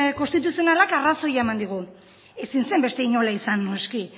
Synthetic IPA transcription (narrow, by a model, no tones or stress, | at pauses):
ko̞nst̪it̪̬usio̞nalakaraso̞jaemand̪iɣ̞u | e̞sinse̞mbe̞st̪e̞iɲo̞laisanːoski